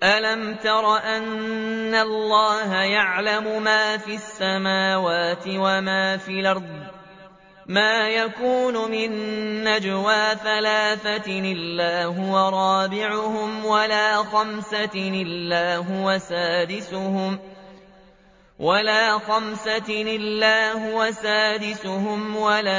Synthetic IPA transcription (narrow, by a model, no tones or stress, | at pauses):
ʔalamt̪ɑɾˤɑʔanːalːɑːhajaʕlamʊmaːfiasːamaːwaːt̪ɪwamaːfiːlʔɑɾˤdˤ | maːjakuːnʊmɪnːad͡ʒwaːθalaːθaɪlːaːɦʊwaɾˤɑːbɪʕʊhʊmwalaːxamsaɪlːaːɦʊwasaːd̪ɪsʊhʊm | walaːxamsaɪlːaːhʊwasaːd̪ɪsʊhʊmwalaː